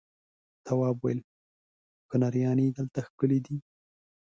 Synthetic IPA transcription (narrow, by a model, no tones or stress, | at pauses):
t̪awɑːbwajel | kʊnaɾjɑnid̪əlt̪axkəlid̪i